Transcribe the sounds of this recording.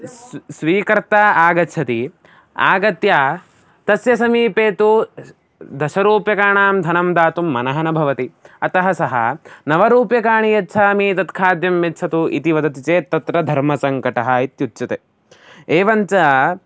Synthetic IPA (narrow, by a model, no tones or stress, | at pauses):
sʋiːkɐɾt̪aːaːɡɐt͡ʃʰɐt̪i | a̰ːɡɐt̪jaː | t̪ɐsjɐsɐmiːpeːt̪u | d̪ɐʃɐɾuːpjɐkaːɳaːmd̪ʱɐnɐmd̪aːt̪umːɐnɐɦɐnɐbʱɐʋɐt̪iɐt̪ɐɦɐsɐɦɐ̰nɐʋɐɾuːpjɐkaːɳijɐtːt͡ʃʰaːmiːt̪ɐt̪kʰaːd̪jɐmːetːt͡ʃʰɐt̪uʔḭt̪iʋɐd̪ɐt̪it͡ʃeːt̪ːɐt̪ɾɐd̪ʱɐɾmɐsɐŋkɐʈɐɦɐit̪jutːt͡ʃɐt̪e | eːʋɐnt͡ʃɐ